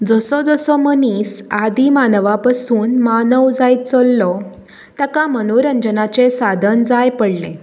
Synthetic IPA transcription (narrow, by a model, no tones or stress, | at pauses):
d͡zɔsɔd͡zɔsɔmənisad̪ʱimanəʋapasuːnmanəʋd͡zaj̪̚t͡sɔlːɔ | t̪akamənoɾənd͡ʑənat͡sesad̪ʱənd͡zajpəɽlẽ